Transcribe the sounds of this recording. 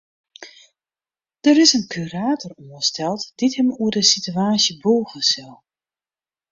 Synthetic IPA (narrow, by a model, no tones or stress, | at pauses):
d̥əɾɪsənkʰyraːtɔruəstɛlˠtd̥ithəmuərdəsityaːsjəbuːɣəsɪlˠ